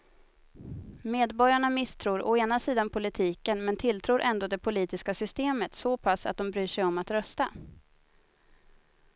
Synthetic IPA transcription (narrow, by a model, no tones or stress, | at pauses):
meːd̪bɔɾjaɳamɪst̪ʰɾuːɾɔeːnasiːd̪anpʰʊlɪt̪ʰiːkənmɛnt̪ʰɪlt̪ʰɾuːɾʔɛnd̪oːd̪ɛpʰʊliːt̪ɪskasʏst̪eːmət̪sɔpʰasːa̰t̪̚d̪ɔmbɾyːʂɛjɔmat̪ɾœst̪a